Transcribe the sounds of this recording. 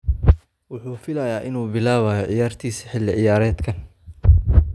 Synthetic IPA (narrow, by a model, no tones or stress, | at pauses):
wʊħuːfɪlɐjaːʔɪnuːbɪlaːβajɔʕɪjaːrt̪ʰiːsɐ̥ħɪlːɪʕɪjaːɾɛːd̪kʰɐn